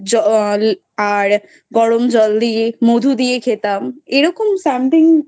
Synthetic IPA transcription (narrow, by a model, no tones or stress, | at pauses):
d͡ʒɔl | aɾ | ɡɔɽomd͡ʒɔld̪imod̪ʱud̪iekʰet̪ameɾɔkomsamt̪ʰĩŋ